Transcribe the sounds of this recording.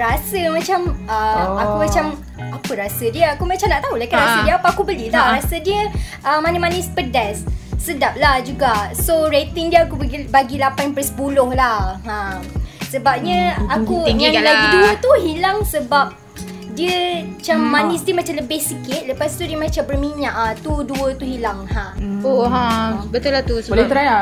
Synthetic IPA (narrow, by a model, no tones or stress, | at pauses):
ɾasəmat͡ʃaməakumãt͡ʃam | apəɾasədiəakumat͡ʃamnaʔt̪aulakaɾasədiəapaakubəlilahɾasədiəʔəmanəmanɪspədasːədap̚lahd͡ʒuɡasoɾet̪ɪŋdiəakuɡibaɡilapanpəsə̥pulʊhlahamsəbap̚ɲə̃akuiŋnlaɡiduət̪uɦilaŋsəbap̚ | diəat͡ʃamːanɪsdiəmat͡ʃamləbɪhsikɪt̪̚ləpast̪udiəmat͡ʃambərmiɲaʔt̪uduət̪uɦilaŋhãoabət̪ʊlaht̪uslɛt̪əɾaja